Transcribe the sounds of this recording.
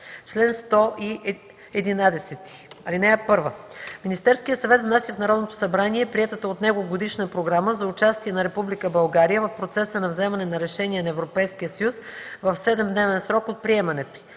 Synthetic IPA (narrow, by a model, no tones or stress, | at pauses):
t͡ʃlɛnst̪ɔʔi | ɛd̪inad̪ɛsɛt̪i̥ɐlinɛɛpɤɾvəminist̪ɛɾskijət̪sɐvɛt̪vnasʲiəfnɐɾɔd̪not̪o̥sɐbɾaniɛpɾiɛt̪ət̪əot̪nɛɡoɡod̪iʃnəpɾoɡɾaməzɐʊt͡ʃast̪iɛnɐɾɛpublikəbɐlˠɡaɾijəvəfpɾot̪sɛsənɐvzɛmɐnɛnɐɾɛʃɛnʲiɛnɐɛvɾopɛjskijəsəjusvəfsɛd̪ɛmd̪nɛvɛnsɾɔkot̪̚pɾiɛmɐnɛt̪oi